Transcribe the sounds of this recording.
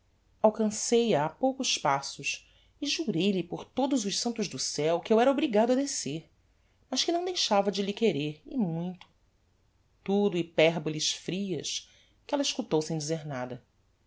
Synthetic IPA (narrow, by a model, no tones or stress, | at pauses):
awkɐ̃sejɐːpowkʊspasʊʃ | ɪʒuɾejlɪpoɾt̪od̪ʊzʊʃsɐ̃nt̪ʊʒd̪ʊsɛwkɪewɛɾɐobɾiɡad̪ʊɐd̪eseɾ | mɐʃkɪnɐ̃w̃d̪ejʃavɐd͡ʒɪlɪkeɾeɾɪmũj̃t̪ʊ̥ | t̪ud̪ʊɪpɛɾboliʃfɾiɐ̰ʃ | kɪɛlɐiʃkut̪owsẽj̃d͡ʒɪzeɾnad̪ɐ